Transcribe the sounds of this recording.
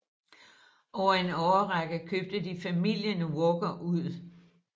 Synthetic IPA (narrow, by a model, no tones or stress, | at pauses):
ʔɒʊɐe̝nɒʊɐʁaɡ̥əðkʰøːb̥̚d̥ədifæmil̰jənəwɔɡ̥ɐʔuð̰ˠ